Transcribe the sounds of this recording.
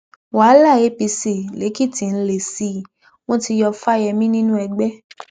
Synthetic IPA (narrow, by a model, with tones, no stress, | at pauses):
wa˨˦la˦˨e˨˦pi˧si˨le˨˦ki˦˨ti˨˧n̩˦le˨si˦˨ | w̃ɔ̃˦ti˧jɔ˧fa˦jɛ˧mĩ˦nĩ˦nũ˦ɛ˧ɡ͡bɛ˦